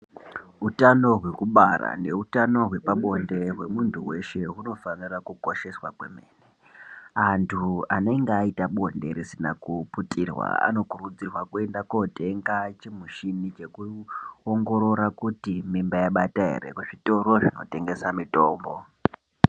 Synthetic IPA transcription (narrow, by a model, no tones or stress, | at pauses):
utano̞ɦwe̞kuɓara̰ne̞utano̞ɦwe̞paɓo̞nde̞ɦwe̞muntʰuwe̞ʃe̞ɦuno̞fanirakuko̞ʃe̞swakwḛme̞ːne | antʰuane̞ŋɡeaitaɓo̞nde̞̰ɾisina̰kuputirwa̰a̰no̞kurud͡zirwakue̞ndakote̞ŋɡat͡ʃimuʃinit͡ʃe̞kuoŋɡo̞ɾo̞ɾakutimimbajaɓataɦḛɾe̞̰kuʐito̞ɾo̞ʐino̞̰te̞ŋɡe̞samito̞ːmbo